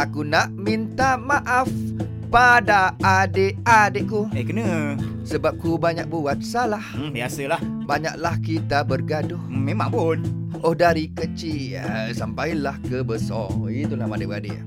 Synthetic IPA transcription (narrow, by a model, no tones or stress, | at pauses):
akunaʔmint̪amaʔaf | padaːdeadeʔkuekənəsəbap̚kubaɲak̚buwat̪̚salahbiasəlahbaɲa̰ʔlahkit̪abərɡadʊhmemã̰ŋpunʔohdaɾikət͡ʃi | sampajlahkəbəsɔit̪ulahmadeʔba̰dḛ